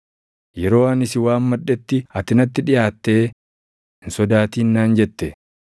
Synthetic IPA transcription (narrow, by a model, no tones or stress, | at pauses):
jɛɾo̞ːɐnɪsɪwaːnmɐᶑːɛt̪ːɪɐt̪ɪnɐt̪ːɪᶑɪjaːt̪ːe̞ː | ɪnsɔd̪aːt̪iːnːaːnd͡ʒɛt̪ːɛ